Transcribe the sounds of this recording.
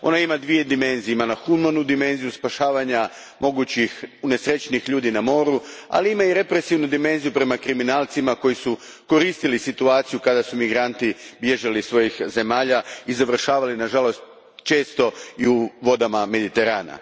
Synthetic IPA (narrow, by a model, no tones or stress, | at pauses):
o̞̰naimad̪ʋije̞d̪ime̞nzijemalaxumanud̪ime̞nzijuspaʃaːʋaɲa | mo̞ɡut͡ɕixune̞sɾet͡ɕnixʎuːd̪inamo̞ːɾua̰liimaiɾe̞pɾe̞siʋnud̪ime̞nzijupɾe̞makɾiminaːlˠt̪simako̞jisu | ko̞ɾiːst̪ilisit̪uaːt̪sijukad̪asumiɡɾant̪ibje̞ʒalisʋo̞jixze̞maːʎaizaʋr̩ʃaːʋalinaʒalo̞st̪ | t͡ʃe̞ːst̪o̞iuʋo̞d̪amame̞d̪it̪e̞ɾaːna̰